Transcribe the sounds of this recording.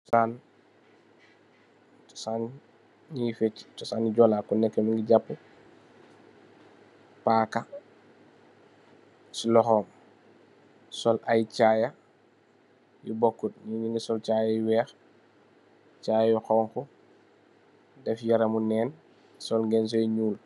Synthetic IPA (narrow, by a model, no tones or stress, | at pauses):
tsaːn | tɔ̥saːn | nifɛt͡ʃːi̥tɔsaːniɟɔlakunɛkːɛmiŋɡiɟapːu | paːka | silɔxɔːm | sɔlʔajcaːja | jubɔkːud̚niniŋɡisɔlt͡ʃaːjajuwɛːx | t͡ʃaːjajuxɔːŋxu | dɛfjaɾɐmunɛːn | sɔlŋɡɛns̬ɔjɲuːl